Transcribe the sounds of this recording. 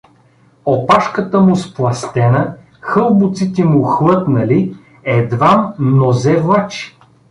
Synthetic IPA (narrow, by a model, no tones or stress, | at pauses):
opaʃkət̪əmʊsplˠɐst̪ɛnə | xɤlˠbʊt̪sit̪ɛmʊxlˠɤt̪nɐli | ɛd̪vamnozɛvlˠat͡ʃi̥